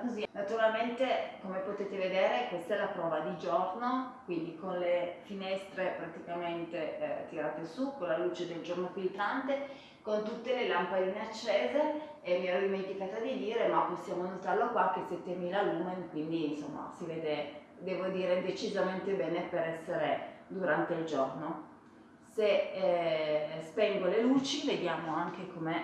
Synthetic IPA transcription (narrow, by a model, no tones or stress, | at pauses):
kozinat̪uɾalment̪ekomepot̪eːt̪eved̪eːɾekwest̪aɛlapɾɔːvad̪id͡ʒornokwind̪ikonlefinɛst̪ɾepɾat̪ikament̪et̪iɾaːt̪esukonlalut͡ʃed̪eld͡ʒornofilt̪ɾant̪e | kont̪ut̪ːelelampaliːneat͡ʃːeːzeː | miɛd̪iment̪ikaːt̪ad̪id̪iːɾemapːosːjaːmonot̪arlokwak̟ːesɛt̪ːemiːlaluːmenkwind̪iːnsomːa̰sivɛːd̪e | d̪ɛːvod̪iːɾed̪et͡ʃizament̪ebɛːnepeɾɛsːeɾed̪uɾant̪eild͡ʒorno | se | spɛŋɡoleluːt͡ʃived̪jaːmoaŋk̟ekome